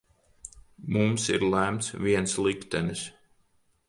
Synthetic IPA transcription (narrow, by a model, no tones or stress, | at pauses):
mumsḭɾlæmt̪sviɛnslˠikt̪ɛnis